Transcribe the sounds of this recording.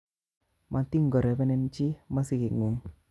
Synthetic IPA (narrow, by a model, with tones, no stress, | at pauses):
ma˨t̪i˦ŋɡɔ˨ɾɛ˨pɛ˦nɛ˧nt͡ʃi˦ma˦si˦ki˨ŋu˨ŋ